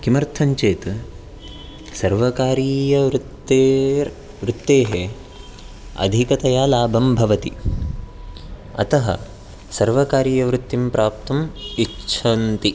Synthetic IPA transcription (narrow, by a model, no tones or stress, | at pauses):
kimɐɾt̪ʰɐɲt͡ʃeːt̪ | sɐɾʋɐkaːɾiːjɐʋɾt̪ːe | ʋɾut̪ːeːɦe | ɐ̰d̪ʱikɐt̪ɐjaːlaːbʱɐmbʱɐʋɐt̪i | ɐ̰t̪ɐɦɐ̰ | sɐɾʋɐkaːɾjɐʋɾut̪ːimpɾaːp̚t̪ɐmiʃʰɐnt̪i